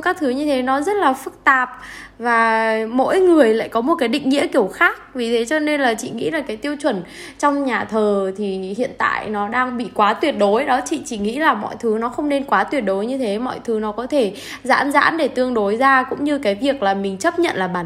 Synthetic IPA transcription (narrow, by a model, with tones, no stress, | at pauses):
kaː˦˥k̚t̪ʰɨ˨˦ɲɨ˧t̪ʰe˨˦nɔ˨˦zə˦˥t̚laː˨˩fɨ˦˥k̚t̪aː˨˩p̚vaː˨˩mo̰˧˥jŋɨ˨˩əjla̰ː˧˨jkɔ˨˦mo˨˩t̚kaː˨˦jɗï˧˨ŋ̟ŋḭ˧˥əki˧˩əwxaː˦˥k̚vi˨˩t̪ʰe˨˦t͡ɕɔ˧ne˧nlaː˨˩t͡ɕḭ˧˨ŋḭ˧˥laː˨˩kaː˨˦jt̪i˧əwt͡ɕwə˧˩nt͡ɕɔ˧wŋ͡mɲaː˨˩t̪ʰəː˨˩t̪ʰi˨˩hḭ˧˨ənt̪a̰ː˧˨jnɔ˨˦ɗaː˧ŋɓḭ˧˨kwaː˨˦t̪wi˨˩ət̚ɗo˨˦jɗɔ˨˦t͡ɕḭ˧˨t͡ɕi˧˩ŋḭ˧˥laː˨˩mɔ̰˧˨jt̪ʰɨ˨˦nɔ˨˦xə˧wŋ͡mne˧nkwaː˨˦t̪wi˨˩ət̚ɗo˨˦jɲɨ˧t̪ʰe˨˦mɔ̰˧˨jt̪ʰɨ˨˦nɔ˨˦kɔ˨˦t̪ʰe˧˩ | za̰ː˧˥nza̰ː˧˥nɗe˧˩t̪ɨ˧əŋɗo˨˦jzaː˧kʊ̰˧˥ŋ͡mɲɨ˧kaː˨˦jvi˨˩ək̚laː˨˩mï˨˩ŋ̟t͡ɕə˦˥p̚ɲə̰˧˨nlaː˨˩ɓaː˨˩˦n